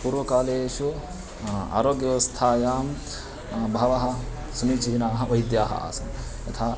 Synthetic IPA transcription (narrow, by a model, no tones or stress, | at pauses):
puɾʋɐkaːleːʃu | a̰ːɾoːɡjɐʋɐst̪ʰaːjaːm | bʱɐʋɐɦɐ̆ | sumit͡ʃiɦinaːɦɐʋɐjd̪jaːɦɐ̰ʔa̰ːsɐnjɐt̪ʰaː